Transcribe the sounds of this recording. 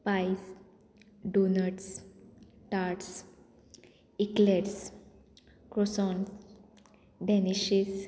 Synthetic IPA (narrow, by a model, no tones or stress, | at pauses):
pajs | ɖonəʈs | ʈaʈs | ikleɾs | kɾosɔns | ɖɛniʃis